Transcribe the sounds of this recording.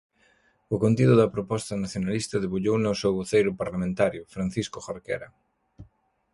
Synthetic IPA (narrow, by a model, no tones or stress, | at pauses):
ʊkont̪iðʊðɐpɾopɔst̪ɐnaθjonalist̪ɐðeβuʎownasewβoθejɾʊpaɾlamẽnt̪aɾjʊfɾan̟θiskʊxaɾkḛɾɐ